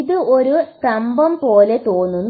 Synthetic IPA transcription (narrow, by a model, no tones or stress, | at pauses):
ðɨoɾutɐmbɐmpo̞ːle̞t̪o̞ːnːunː